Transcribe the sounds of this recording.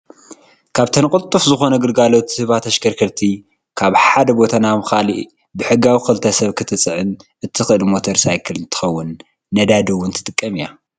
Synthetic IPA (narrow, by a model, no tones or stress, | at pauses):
kʰaβt̪ʰɐnkʼɨt̪ʼːufzɨxo̞nɐɡɨlɡalo̞t̪sɨβat̪ʰɐʃkɐɾkʰɐɾt̪ʰi | kʰaβħad̪ɐbo̞t̪ʰanamɨxaliʔ | bɨħɨɡawixɨlt̪ʰɐsɐβkʰɨt̪ʰɨt͡sʼɨʕɨnʔɨt̪ʰixɨʔɨlmo̞t̪ʰɐɾsajkʰɨlɨnt̪ʰɨ̥xɐwːʊnː | ɐd̪ad̪ɐwːʊnt̪ʰɨ̥t̪ʼɨkʼːɐmija